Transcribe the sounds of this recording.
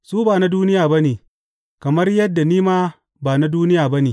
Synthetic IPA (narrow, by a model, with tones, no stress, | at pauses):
suː˦baː˨na˦duː˦nɪ˦jaː˨bɐ˦neː˨ | kɐ˨mɐ˦rjɐ˦dːa˨niː˦maː˦ | baː˨na˦duː˦nɪ˦jaː˨bɐ˦neː˨